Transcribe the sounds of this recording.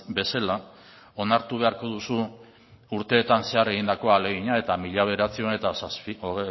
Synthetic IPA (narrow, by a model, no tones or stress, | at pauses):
be̞sela | o̞naɾt̪uβe̞aɾko̞ðusu | uɾt̪e̞ːt̪anse̞are̞ɣ̞ind̪ako̞ale̞ɣ̞iɲae̞t̪amiʎaβ̞e̞ɾat͡sio̞ne̞t̪asasi